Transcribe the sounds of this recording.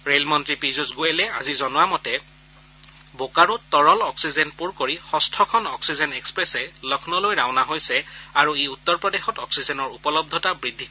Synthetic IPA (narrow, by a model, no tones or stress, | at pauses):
ɹelmɔntɹipɹizusɡojɛlɛa̰zizɔnʊamɔtɛ | bokaɹʊtɔɹɔlɔksizɛnpuɹkoɹixɔstʰɔkʰɔnɔksizɛnɛkspɹɛsɛlɔkʰnɔlojɹaʊnaɦojsɛaɹueutːɔɹpɹɔdexɔtɔksizɛnɔɹupɔlɔb̚d̪ʱɔtabɹidʱikɔ